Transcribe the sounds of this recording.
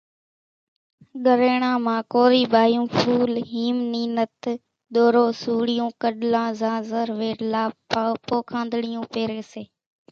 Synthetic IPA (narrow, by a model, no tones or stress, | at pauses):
ɠəɾeːɳãːmãːkoːɾiːɓaːjũːpʰuːlɦiːmniːnət̪ | ɗ̪oːɾoːsuːɽɪjõːkəɗlãːzãːzəɾʋeːʈlaːpoːkʰãːnd̪ɽɪjũːpeːɾeːseː